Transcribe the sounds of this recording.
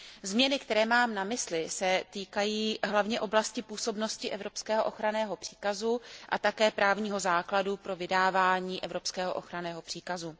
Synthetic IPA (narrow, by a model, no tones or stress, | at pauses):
zmɲɛnɪkt̪ɛɾɛːmaːmnamɪslɪsɛt̪iːkajiːɦlavɲɛʔo̞blascɪpuːso̞bno̞scɪʔɛvɾo̞pskɛːɦoʔoxɾanɛːɦo̞pr̝̥i̥ːkazuʔa̰t̪akɛːpɾaːvɲiːɦo̞zaːkladupɾo̞vɪdaːvaːɲiːʔɛvɾo̞pskɛːɦo̰ʔo̰xɾanɛːɦo̞pr̥iːkazu